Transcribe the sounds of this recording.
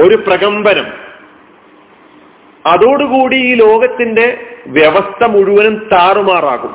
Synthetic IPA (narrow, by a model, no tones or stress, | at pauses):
o̞ɾuprɐɣɐmbɐnɐm | ɐðoːɽuɣuːɽiiːlo̞ːɡɐt̪ːinde̞ʋjeʋɐst̪ʰɐmuɻuʋɐnumt̪aːrumaːra̰ːɣum